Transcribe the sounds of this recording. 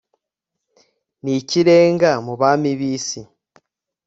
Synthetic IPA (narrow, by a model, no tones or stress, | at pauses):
niciɾe̞ːŋɡamuβaːmiβiːsi